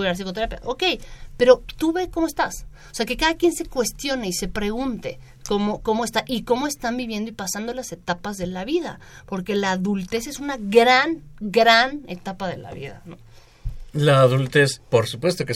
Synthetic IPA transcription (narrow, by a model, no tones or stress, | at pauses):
ɾaɾs̬iko̞t̪e̞ɾapja̰ʔoke̞jpe̞ɾo̞t̪uβe̞ko̞moe̞st̪as | oseake̞kaðakje̞nse̞kwe̞st̪jo̞neise̞pɾe̞ɣunt̪e̞̰ | ko̞mo̞ko̞moe̞st̪aʔiko̞mo̞e̞st̪ambiβje̞nd̪oipasand̪o̞lase̞t̪apazðe̞laβiða̰ | po̞ɾke̞laːðult̪e̞se̞sunaɣɾanɡɾane̞̰t̪apaðe̞̰la̰βḭða̰no | laːðult̪e̞spo̞ɾsupwe̞st̪o̞ke